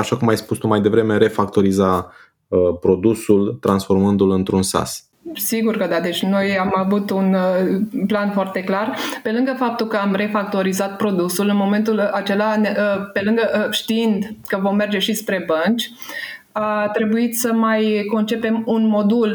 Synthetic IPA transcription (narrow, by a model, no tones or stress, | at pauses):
aʃakumajspust̪umajd̪e̞vɾe̞me̞ɾe̞fak̚t̪oɾiza | əpɾo̞d̪usult̪ɾansfo̞rmɨnd̪ulɨnt̪ɾunsa̰s | siɡurkəd̪ad̪e̞t͡ʃʲno̞jamavut̪un | planfoart̪e̞klarpe̞lɨŋɡəfap̚t̪ulkəamre̞fak̚t̪o̞ɾizat̪̚pɾo̞d̪usulɨnmo̞me̞nt̪ulat͡ʃe̞lanəpe̞lɨŋɡəʔʃt̪iind̪kəvo̞mːe̞rd͡ʒe̞ʃispɾe̞bənt͡ʃʲ | at̪ɾe̞buit̪səmajko̞nt͡ʃe̞pe̞munmo̞d̪ul